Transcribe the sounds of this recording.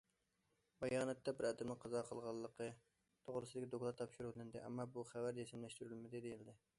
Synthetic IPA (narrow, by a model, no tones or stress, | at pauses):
bɑjɑːnɛt̪ʰːɛbɪɾɛd̪ɪmnɨqʰɑzɑqʰəlˠʁɑlˠːəqə | t̪ʰoʁɾɨsɨd̪ɪkʲid̪oklˠɑt̪ʰːɑpʃuɾulˠɨnd̪ɨʔɛ̰mːɑbuχævæɾesɪmlɛʃt̪yɾylmɪd̪ɪd̪ejilɪd̪ɪ